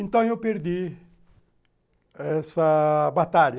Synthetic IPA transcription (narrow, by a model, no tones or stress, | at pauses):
ẽnt̪ɐ̃w̃ewpeɾd̪i | ɛsɐbat̪aʎɐ